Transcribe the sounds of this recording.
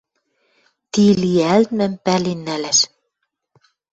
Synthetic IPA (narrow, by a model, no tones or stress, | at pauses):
t̪iliælt̪̚mɘ̆mpælinːælæʃ